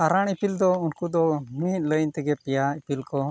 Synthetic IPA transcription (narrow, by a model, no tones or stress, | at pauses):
aɾaɳipild̪ɔunkud̪ɔmit̪̚ˀləjnt̪ɛɡɛpijaipilkɔ